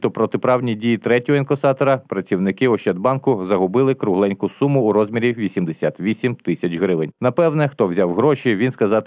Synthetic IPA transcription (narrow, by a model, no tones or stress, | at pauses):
t̪ɔpɾɔt̪ɪpɾɑwnʲidʲijit̪ɾɛtʲɔɦɔinkɔsɑt̪ɔɾɐpɾɐt͡sʲiwnɪkɪʊʃt͡ʃɛd̪bɑnkʊzɐɦʊbɪlˠɪkɾʊɦlˠɛnʲkʊsumʊːɾɔzʲmʲiɾʲiʋʲisʲimd̪esʲat̪ʋʲisʲimt̪ɪsʲɐt͡ʃɦɾɪʋɪnʲnɐpɛwnɛxt̪ɔwzʲɑwɦɾɔʃʲiʋʲinskɐzɑt̪